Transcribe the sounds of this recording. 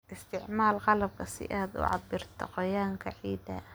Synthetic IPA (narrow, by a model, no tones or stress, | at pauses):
ʔɪst̪ʰɪʕmaːlqɑlɐb̚kʰɐsɪ̰ʔaːd̪ʊ̰ʕɑ̰b̪ɪrt̪ʰɔ̰qɔjaːŋkʰɐʕiːd̪ɐ